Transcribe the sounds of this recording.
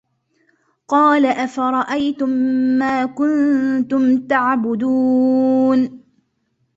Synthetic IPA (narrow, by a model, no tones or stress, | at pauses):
qɑːlaʔafaɾˤɑʔajt̪ʊmːaːkʊnt̪ʊmt̪aʕbʊd̪uːn